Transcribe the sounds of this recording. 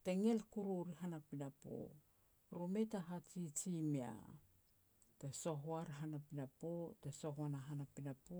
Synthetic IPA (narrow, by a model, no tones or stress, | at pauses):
teŋelkuɾuɾiɦanapinapo̰ | ɾumetaɦat͡ʃit͡ʃimia̰ | teso̞ɦoaɾɦanapinapoteso̞ɦoanaɦanapinapo